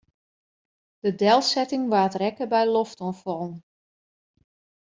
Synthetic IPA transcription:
d̥ədɛlˠsɛtɪŋʋaːtrɛkəbɛjlɔftɔnfɔlˠn

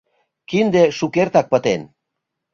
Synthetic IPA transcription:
kind̪eʃukeɾt̪ak̚pət̪en

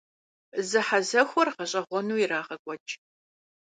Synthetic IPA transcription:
zɨħazɐxʷɔrqɐɕʼɐʁʷɔnuːiraːχɐkʷʼɔt͡ʃʼ

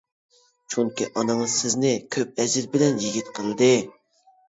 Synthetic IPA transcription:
t͡ʃʰuŋkʲiʔɑnɨŋɨz̥sɪznɪkʲʰøp̚ɛzɪɾbɪlɛnjiɡʲit̪qʰəlˠɨd̪ɨ

